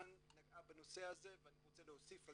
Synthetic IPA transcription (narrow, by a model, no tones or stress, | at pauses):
nːaɡabano̞se̞aze̞veaniʁo̞t͡seleosif